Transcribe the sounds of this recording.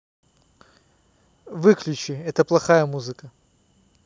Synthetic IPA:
vɨklʲʊt͡ɕɪɛt̪əplˠɐxajəmuzɨkə

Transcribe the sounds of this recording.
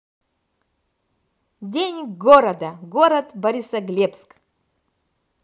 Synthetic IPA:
dʲenʲɡoɾɐd̪ɐɡoɾɐt̪bɐɾʲisɐɡlʲepsk

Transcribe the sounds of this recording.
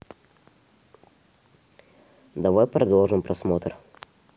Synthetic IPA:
d̪ɐvɔjpɾɐd̪lˠɔʐɨnpɾɐsmɔt̪ɾ

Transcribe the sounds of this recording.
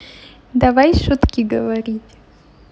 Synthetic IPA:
d̪ɐvajʃut̪kʲɪɡəvɐɾʲitʲ

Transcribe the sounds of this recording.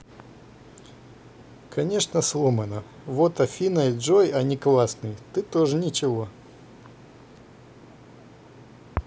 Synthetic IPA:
kʰɐnʲe̞ʂnəslˠomɐnə | vot̪ɐfʲinɐjʐojɐnʲɪklˠasnɨjt̪ɨt̪oʐɨnʲɪt͡ɕɪvo

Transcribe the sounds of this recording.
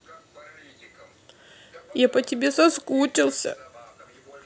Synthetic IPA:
japətʲɪbʲesɐskut͡ɕʲɪlˠsʲə̰

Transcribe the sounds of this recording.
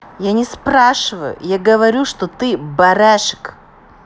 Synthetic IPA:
janʲɪspɾaʂɨvəjʊ̰jaɡəvɐɾʲuʂt̪ot̪ɨbɐɾaʂɨ̥k

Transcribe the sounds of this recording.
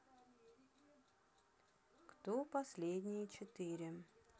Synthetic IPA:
kt̪opɐsʲlʲed̪ʲnʲɪjət͡ɕɪt̪ɨɾʲɪ

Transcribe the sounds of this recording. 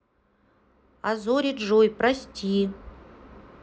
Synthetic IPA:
a̰zoɾʲitʐojprasʲtʰʲi

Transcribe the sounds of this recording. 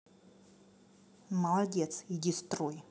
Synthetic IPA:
mɐlˠadʲet̪sidʲist̪roj

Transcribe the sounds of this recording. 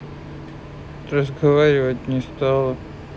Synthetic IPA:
ɾəzɡɐvaɾʲɪvətʲnʲɪst̪alˠə

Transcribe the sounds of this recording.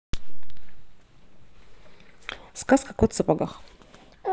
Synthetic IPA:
skaskḁkot̪sɨpaɡax

